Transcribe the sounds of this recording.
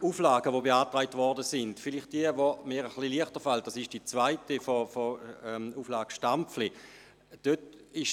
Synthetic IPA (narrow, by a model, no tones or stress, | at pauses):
uːflaːɡəvobeaːtʁaɪtvɔʁdəsɪnd̥fɪlɪχt̚d̥iəvomɪːʁəχliliəχtəfalt̚d̥asɪʃd̥iːt͡svaɪtifofoɛuːflaːɡ̥əʃtampp͡fli | d̥øtɪʃ